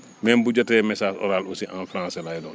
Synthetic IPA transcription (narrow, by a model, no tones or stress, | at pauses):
mɛmbuɟɔtɛmɛsaːsɔ̰ɾaːlusiʔã̰nfɾãːsɛlajlɔːn